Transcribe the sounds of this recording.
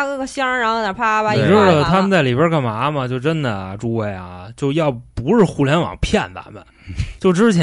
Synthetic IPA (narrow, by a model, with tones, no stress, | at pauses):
kɤ˥˩ɡə˩ɕjɑ˥ɻa˧˥xo˥˩na˨˩pʰa˥ba˧˩ʈ͡ʂt̪ʰa˥mə˨nt͡sa˥˩li˨˩bjə˥˧˥ka˥˩nma˧˥mɐ˨t͡ɕjo˥˩ʊʈ͡ʂə˥nd̪ə˨˧˩ʈ͡ʂu˥we˥˩ɪɐ̰˩t͡ɕjo˥˧ʊjɑ˥˩ʊpu˧˥ʂɻ̩˥˧xu˥ljɛ˧˥nwɑ̰˨˩ŋpʰjɛ˥˩nbə̰˨˩mə̰˨˩ | t͡ɕjo˥˩ʊʈ͡ʂɻ̩˥t͡ɕʰj